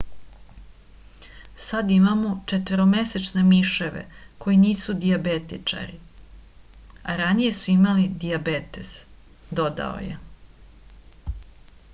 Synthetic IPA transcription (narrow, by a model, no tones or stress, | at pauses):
sad̪imamot͡ʃet̪ʋeɾome̞set͡ʃne̞miʃeʋḛko̞jiniːsud̪iabet̪it͡ʂa̰ɾi | aɾanije̞suimalid̪iabet̪e̞z̥ | d̪o̞d̪a̰o̰jḛ